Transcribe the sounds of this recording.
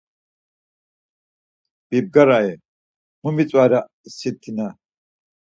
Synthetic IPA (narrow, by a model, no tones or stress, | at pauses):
b̥ib̚ɡɐɾɐʔɛ | mʊmɪt͡sʼwaːɾɐ | ɪsːɪt̪ʰːɪnɐ